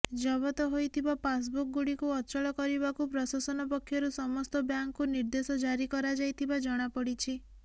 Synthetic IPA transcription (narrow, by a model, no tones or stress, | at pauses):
d͡ʒɔβɔt̪ɔɦojt̪ʰibapas̬buk̚ɡuɽikuɔt͡ʃɔɭɔkɔɾibakupɾɔsasɔnɔpɔkʰːjɔɾusɔmɔst̪ɔbjaŋkːuniɾd̪esɔd͡ʒaɾikɔɾad͡ʒajt̪ʰibad͡ʒɔɽ̃apɔɽit͡ʃʰi